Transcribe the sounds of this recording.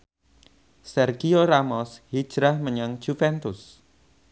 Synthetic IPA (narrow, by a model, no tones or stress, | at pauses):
sɛrɡioɾamɔshid̥ʒ̥ɾahməɲaŋd͡ʒ̥ufɛnt̪ʊs